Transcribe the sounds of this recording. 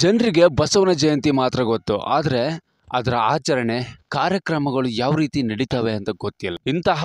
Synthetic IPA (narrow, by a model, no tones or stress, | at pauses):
d͡ʒɐnɾiɡe̞bɐsɐʋɐnɐd͡ʒɐjɐnt̪imaːt̪ɾɐɡot̪ːṵʔa̰ːd̪ɐɾe̞ | ɐ̰d̪ɐɾɐaːt͡ʃɐɾɐɳe̞kaːɾjɐkɾɐmɐɡɐɭujaːʋɾiːt̪inɐɽit̪ɐːʋe̞ɐnt̪ɐɡot̪ːijɐlːɐint̪ɐɦɐ